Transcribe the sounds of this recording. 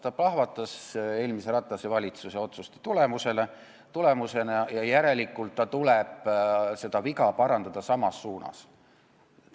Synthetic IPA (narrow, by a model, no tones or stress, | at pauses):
t̪ɑplɑhvɑt̪ːˑɑse̞ːlmise̞ɾɑt̪ˑːɑsevɑlʲit̪suse̞o̞t̪sust̪e̥t̪ule̞muse̞le | t̪ule̞muse̞nɑjɑjæɾe̞likːˑult̪ːɑt̪uleb̥se̞d̪̥ɑvikɑpɑɾɑnd̪ɑd̪̥ɑsɑmɑsːuːnɑ̰s